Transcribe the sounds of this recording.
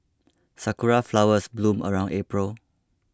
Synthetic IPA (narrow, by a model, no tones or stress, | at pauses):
sakuɹaflawəsblũmʔə̰ɹãwnepɹəl